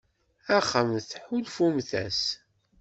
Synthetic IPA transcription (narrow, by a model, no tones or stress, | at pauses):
æχəmθħulfumθæ̰s